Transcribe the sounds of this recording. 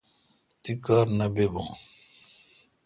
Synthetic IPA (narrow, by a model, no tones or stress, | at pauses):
t̪ikaːɾnɐbebõ̰ː